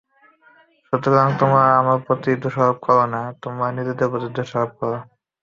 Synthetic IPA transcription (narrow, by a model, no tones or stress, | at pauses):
ʃot̪okaŋt̪omɾaamaɾpɾot̪id̪oʃabab̚kɔɾonat̪omaɾnit̪id̪epɾot̪id̪oʃabab̚kɔɾo